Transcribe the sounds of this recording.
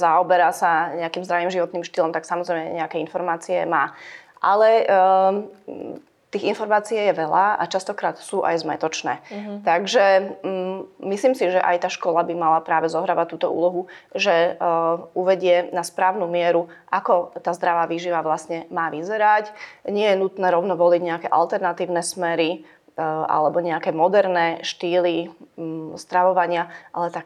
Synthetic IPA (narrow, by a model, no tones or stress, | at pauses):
zaɔbɛɾaːsaɲɛakiːmzd̪ɾaʋiːmʒiʋɔt̪niːmʃt̪ilɔmt̪aksamɔzɾɛjmɛ̰ɲɛakɛinfɔɾmaːt͡siɛ̰maː | ʔa̰lɛ | t̪iːɣinfɔɾmaːt͡siɛjɛʋɛlaʔa̰t͡ʃast̪ɔkɾaːt̪suːʔa̰jzmɛ̰t̪ɔt͡ʃnɛ̰ːt̪aɡʒɛ | misliːmsiʒɛʔa̰jt̪aːʃkɔlabimalapɾaːʋɛzɔɦɾaːʋact̪uːt̪ɔ̰ṵːlɔɦuʒɛ | uʋɛɟɪɛnaspɾaːʊnuːmɪɛɾuʔakɔt̪aːzd̪ɾaʋaːʋiːʒiʋaʋlasɲɛmaːʋizɛɾacɲɪɛjɛnut̪nɛːɾɔʊnɔʋɔliɟɲɛakɛːʔa̰lt̪ɛɾnat̪iːʊnɛsmɛɾi | ʔa̰lɛbɔɲɛakɛːmɔd̪ɛɾnɛːʃt̪iːli | st̪ɾaʋɔʋaɲɪaʔalɛt̪ak